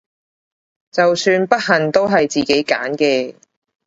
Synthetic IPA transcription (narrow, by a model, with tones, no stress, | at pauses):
t͡sɐ˨wsyː˧npɐ˥t̚ɦɐ˨˩nt̪o˥wɦɐ˨jt͡siː˨˩ke˨˥jka̰ː˨˥nkɛː˧